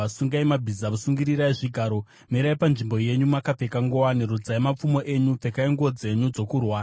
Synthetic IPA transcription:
asuŋɡaimabʱizaʋusuŋɡiɾiraiʐiɡʱaɾo̞ | miɾaipanʐimbo̞je̞ɲumakap͡fe̞kaŋɡowaneɾud͡zaimap͡fumo̞ʔe̞ɲup͡fe̞kaiŋɡo̞d͡ze̞ɲud͡zo̞kurwaː

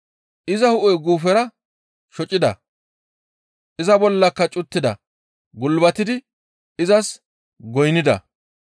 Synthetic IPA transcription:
ʔɪzɐhʊʔɔjɡuːfɛɾɐ | ʃɔt͡ʃʼɪd̪ɐ̰ | ʔɪzɐbɔlːɐkːɐt͡ʃʼʊt̪ːɪd̪ɐ̰ | ɡʊlbɐt̪ɪd̪ɪ | ɪzɐs | ɡɔjnɪd̪ɐ̰

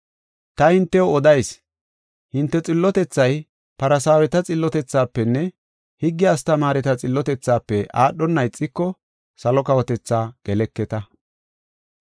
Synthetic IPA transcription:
t̪ɐhɪnt̪ːɛwɔɔd̪ɐjs | hɪnt̪ːɛt͡sʼɪlːɔt̪ɛt͡sːɐj | pɐɾɐsaːwɛt̪ɐt͡sʼɪlːɔt̪ɛt͡sːaːpːɛnːɛ | hɪɡːɪɐst̪ɐmaːɾɛt̪ɐt͡sʼɪlːɔt̪ɛt͡sːaːpːɛʔaːɗːɔnːɐjt͡sʼːɪkːɔ | sɐlɔkɐwɔt̪ɛt͡sːaːɡ̥ɛlɛkːɛt̪ɐ

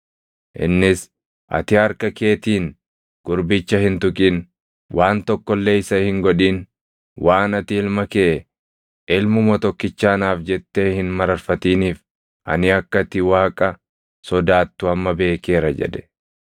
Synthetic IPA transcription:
ʔɪ̰nːɪs | ʔɐ̰t̪ɪɐɾkɐke̞ːt̪iːn | ɡ̥ʊɾbɪt͡ʃːɐhɪnt̪ʊkʼin | wʔaːnt̪ɔkːɔlːe̞ːɪsɐhɪŋɡɔᶑiːn | wʔaːnɐt̪ɪɪlmɐkeʔ | ʔɪlmʊmɐt̪ɔkːɪt͡ʃːaːnaːfd͡ʒɛt̪ːe̞ːhɪnmɐɾɐɾfɐt̪iːniːf | ʔɐ̰nɪɐkːɐt̪ːɪwaːkʼɐ | sɔd̪aːt̪ːʊɐmːɐbe̞ːke̞ːɾɐd͡ʒɛ̰d̪ɛ̥

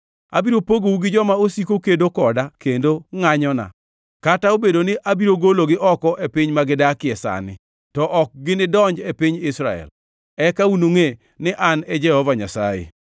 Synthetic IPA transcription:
a̰biɾopoɡouɡɪd͡ʒɔmaosikokedokɔdakendoŋaɲɔna̰ | kataobedonɪʔabiɾoɡoloɡɪʔɔkɔʔepɪɲmaɡɪdakɪɛsa̰nɪ | tɔʔɔk̚ɡɪnɪdɔɲd͡ʒepiɲɪsɾa̰ɛ̰l | ɛkaunoŋe | nɪʔanɛd͡ʒɛhɔvaɲa̰sa̰jḛ

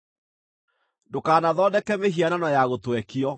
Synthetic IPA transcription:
ndokaːnaðɔːdɛkɛmeɦiananɔjaɣotwɛkiɔ

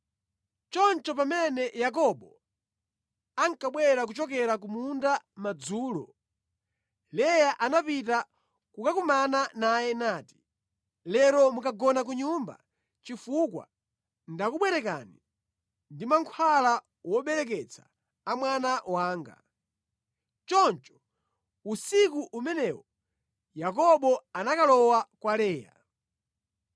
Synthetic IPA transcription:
t͡ʃɔnt͡ʃɔpamɛnɛjak̬ɔɓɔ | aŋkaɓwɛɾak̬ut͡ʃɔk̬ɛɾak̬umundamad͡zuːlɔ̰ | lɛjaʔanapita | kukakumananajɛnaːti̥ | lɛɾɔmukaɡɔnak̬uɲumba̰ | t͡ʃifukwa̰ | ndakuɓwɛɾɛka̰ni | ndimaŋkʰwala | wɔɓɛɾɛk̬ɛt͡sʰḁː | mwanawaːŋɡa̰ | t͡ʃɔnt͡ʃɔ̥ | usikuʔumɛnɛwɔ | jak̬ɔɓɔanakalɔwakwalɛːja̰

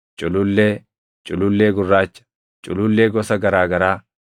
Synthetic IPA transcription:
t͡ʃʼʊlʊlːeː | t͡ʃʼʊlʊlːeːɡʊrːaːt͡ʃːɐ̥ | t͡ʃʼʊlʊlːeːɡɔsɐɡɐɾaːɡɐɾaː

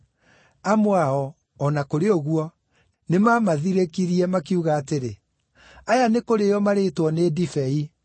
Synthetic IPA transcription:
amoaɔː | nakoɾeoɣuɔ | nemamaðiɾekiɾiɛmakiuɣaːteɾe | ajanekoɾejɔmaɾeːtwɔnedifɛi

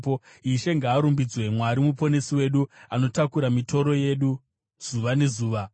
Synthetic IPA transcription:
po | iʃe̞ŋɡaːɾumbid͡zwe̞mwaɾimupo̞ne̞siwe̞ɗuano̞takuɾamito̞ɾo̞je̞ɗu | z̥uʋane̞zuːʋa

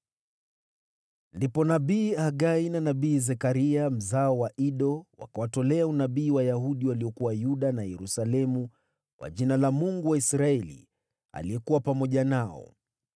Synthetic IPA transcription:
ndipɔnaɓiːaɠainanaiːzɛkaɾiam̩zaɔwaʔiɗɔwa̰kawatɔlɛaunaɓiːwajaɦuɗiwaliɔkuwajuɗanajɛɾusalɛmu | kwa̰ʄinalamuŋɡuwaisɾaɛlḭ | a̰lijɛkuwapamɔʄanaɔ̰

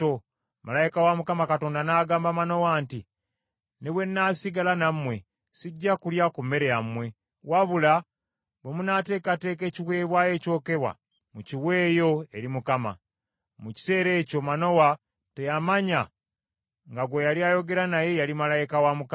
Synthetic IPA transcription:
o | malajikawamukamakato̞ːndanaːɡaːmbamano̞waːnti | neβwe̞nːaːsiɡalanamːwe̞ | siɟːakuljakume̞ɾejamwe̞ | waβula | βemunaːte̞ːkate̞ːke̞ːciwe̞ːβwaːje̞ːco̞ːke̞βwa̰ | muciwe̞ːjo̞e̞ɾimukama̰ | muci̥se̞ːɾe̞ːco̞mano̞wa | tejamaɲa | ŋɡaɡwo̞jaliajo̞ɡe̞ɾanaje̞jalimalajikawamuk

